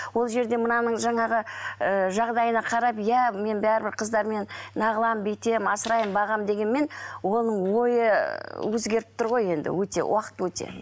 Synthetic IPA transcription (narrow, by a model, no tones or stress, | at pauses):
wo̞lˠʒe̞ɾd̪e̞mənɑnəɴʒɑɴɑʁəəʒɑʁd̪ɑjənɑqʰɑɾɑpjæme̞nbæɾɪbɪɾqʰəzd̪ɑɾme̞nnɑʁəlˠɑmbejt̪e̞mɑsəɾɑjəmbɑʁɑmd̪e̞ɡʲe̞nme̞nwo̞nəɴwo̞jəwɵzɡʲe̞ɾɪp̚t̪əɾʁo̞je̞nd̪ɪ̰wɵt̪e̞̰wʔɑqə̥t̪wɵt̪e̞̰